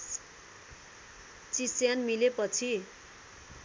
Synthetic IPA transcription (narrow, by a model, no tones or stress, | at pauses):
t͡sisjanmilepʌt͡sʰi